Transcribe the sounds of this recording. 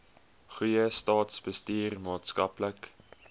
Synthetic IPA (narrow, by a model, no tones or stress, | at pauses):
χujəstɑːtsbəstiːrmɑːtskɐplək